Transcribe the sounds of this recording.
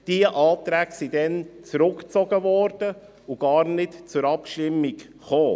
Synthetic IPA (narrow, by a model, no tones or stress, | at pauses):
d̥iəʔɑːt̪ɾɛːksidɛnt͡sɾʊkt͡sɔɡəvɔɾd̥ə | uɡ̥ɑːɾnɪtt͡sʊɾɑpʃtɪmːik | χoː